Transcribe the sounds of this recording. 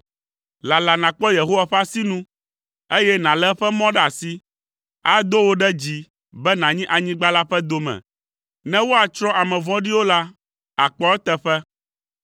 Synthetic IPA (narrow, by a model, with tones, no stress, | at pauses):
la˨la˨nã˨k͡pɔ˦je˨ɦo˦wa˨ɸa˦si˦nũ˦ | e˦jɛ˦nã˨lɛ˦ɸɛ˦mɔ̃˦ɖɛ˦a˨si˦ | a˦d̪o˦wo˦ɖɛ˦d͡ʑi˨ | bɛ˦nã˨ɲĩ˦ʔa˨ɲĩ˦ɡ͡ba˦la˦ɸɛ˦d̪o˦mɛ̰̃˨ | nɛ̃˦wo˦a˨t͡ʃɾɔ̃˦ʔa˨mɛ̃˨vɔ̃˦ɖi˦wo˦la˦ | a˨k͡pɔ˦ɛ˦t̪ɛ˦ɸɛ˦